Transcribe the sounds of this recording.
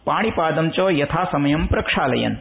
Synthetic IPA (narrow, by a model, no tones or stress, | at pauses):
paːɽ̃ipaːd̪ɐmt͡ʃoːjɐt̪ʰaːsɐmɐjɐmpɾɐkʂaːlɐ̰jɐ̰n